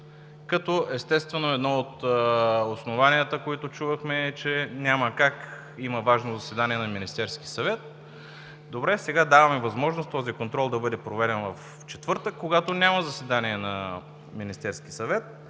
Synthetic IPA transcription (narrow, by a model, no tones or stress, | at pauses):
kɐt̪ɔʔɛst̪ɛst̪vɛnoɛd̪nɔot̪ | osnovaniət̪əkoit̪ot͡ʃuvəxmɛːt͡ʃɛnʲaməkak | iməvaʒnozɐsɛd̪aniɛnɐminist̪ɛɾsk̟i̥sɐvɛt̪̚ | d̪obɾɛsɛɡad̪avɐmɛvɐzmɔʒnost̪t̪ɔzikont̪ɾɔlˠd̪ɐbɤd̪ɛpɾovɛɾɛnvɐf | t͡ʃɛt̪vɤɾt̪əkːoɡat̪onʲaməzɐsɛd̪aniɛnɐ | minist̪ɛɾsk̟isɐvɛt̪̚